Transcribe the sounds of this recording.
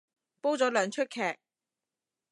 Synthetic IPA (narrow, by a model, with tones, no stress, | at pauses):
po˥wt͡sɔː˨˥lœː˨ŋt͡ʃʰɵ˥t̚kʰɛː˨k̚